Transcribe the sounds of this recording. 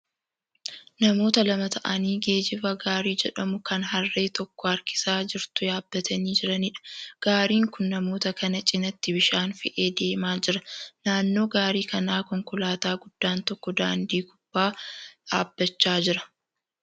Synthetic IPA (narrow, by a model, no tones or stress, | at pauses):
nɐmo̞ːt̪ɐlɐmɐt̪ʰɐʔɐniːɡe̞ːd͡ʒɪfɐɡaːɾiːd͡ʒɛᶑɐmʊkɐnɦɐrːe̞ːt̪ɔkːɔɐɾkɪ̥saːd͡ʒɪɾt̪ʊjaːbːɐt̪ʰɐniːd͡ʒɪɾɐnɪᶑɐ̥ɡ̥aːɾiːŋkʊnːɐmo̞ːt̪ɐkɐnɐt͡ʃʼɪnɐt̪ːɪbɪʃaːnfɪʔe̞ːd̪e̞ːmaːd͡ʒɪɾɐnaːnːo̞ːɡaːɾiːkɐnaːkɔŋkʊlaːt̪aːɡʊd̪̥ːaːnt̪ɔkːɔd̪aːnd̪iːkʊb̥ːaːᶑa̰ːbːɐt͡ʃːaːd͡ʒɪɾɐ̥